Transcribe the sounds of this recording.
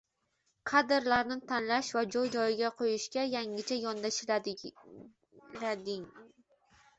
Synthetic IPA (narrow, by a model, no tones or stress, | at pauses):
qʰɑd̪ɪɾlaɾnɪt̪ʰanlaʃvad͡ʒɒjd͡ʒɒjɪɡʲaqʰojɪʃkʲajaŋɪt͡ʃʰajɒnd̪aʃ | lad̪ɪŋ